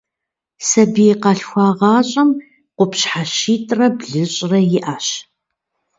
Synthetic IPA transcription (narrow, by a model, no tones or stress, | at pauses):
sɐbiqɐɬxʷɑːʁɑːɕʼɐm | qʷʊpɕħaʃiːtʼrɐbɮɨɕʼrɐjɪʔaːɕ